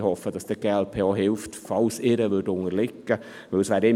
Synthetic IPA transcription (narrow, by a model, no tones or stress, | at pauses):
hɔfəd̥ɑsd̥əɡ̥eːɛlpʰeːɑːɦɪlftfɑlsɪɾəʋʏdʊŋəɾlɪkːə | ʋɪlsʋæːɾɪ